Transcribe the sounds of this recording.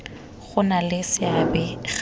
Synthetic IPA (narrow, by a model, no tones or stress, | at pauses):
ɣʊnalɪsɪabɛɣ